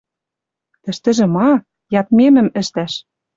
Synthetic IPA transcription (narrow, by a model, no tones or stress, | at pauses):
t̪ɘ̆ʃt̪ɘ̆ʒĕmɑ | jɑt̪̚memɘ̆mɘ̆ʃt̪æʃ